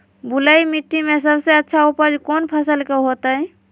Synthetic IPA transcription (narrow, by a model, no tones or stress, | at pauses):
buləjmiʈːimes̬əbseətːʃʰaupəd͡ʒkonpʰəsəlkeɦot̪əj